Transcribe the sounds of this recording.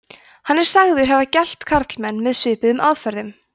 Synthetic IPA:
hanːɛɾ̥saɣðɪɾ̥ɦɛvacɛl̥t̪kʰaɾt̪lmɛnːmɛðsʏːpɪðʏmaðfœɾðʏm

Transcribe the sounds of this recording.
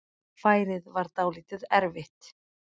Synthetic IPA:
faːjɾɪðvaɾt̪aːwliːt̪ɪðɛɾvɪht̪

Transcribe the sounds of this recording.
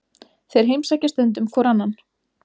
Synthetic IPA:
θejɾ̥ɦejmsaːcast̪ʏnt̪ʏmkʰvɔːɾanːan

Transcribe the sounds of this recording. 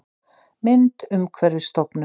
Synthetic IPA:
mɪnt̪ʏmkʰvɛɾɪ̥st̪ɔpnʏ

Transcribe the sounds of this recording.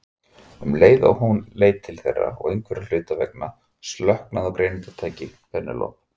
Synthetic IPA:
ʏmleːjða̰wɦunleːjtt̪ʰːɪlθɛ̰rːa̰ɔ̰ɣejŋkʰvɛɾalʏːt̪avɛ̰k̚na | st̪lœhknaðɔwkɾeːjnɪnt̪at̪ʰaːjcɪfɛnːɪ̰lɔ̰ːp

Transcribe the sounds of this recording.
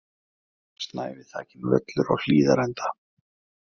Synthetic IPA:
st̪naːjvɪθaːcɪnvœ̰t̪lʏɾa̰whiːðaɾɛnt̪ʰḁ

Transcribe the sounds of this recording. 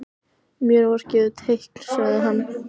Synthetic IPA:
mjœɾvɔɾ̥cɛːðʏt̪ʰehkl̥svaɣðɪɦanː

